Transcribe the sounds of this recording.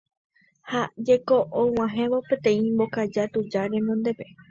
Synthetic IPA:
had͡ʒeko̞ʔõw̃ãɦẽ̞ʋopẽ̞t̪ẽ̞ĩmbo̞kad͡ʒat̪ud͡ʒaɾẽ̞nõnd̪e̞pe̞

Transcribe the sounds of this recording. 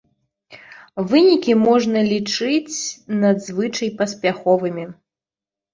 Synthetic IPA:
vɨnʲikʲimɔʐnɐlʲit͡ʂɨt͡sʲnɐd̪zvɨt͡ʂɐjpɐsʲpʲaxɔvɨmʲi

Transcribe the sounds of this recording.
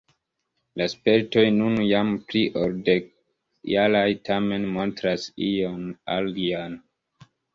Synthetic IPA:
laspeɾto̞jnunjampliʔolde | jalajtʰame̞nmo̞ntɾasijonalɡian

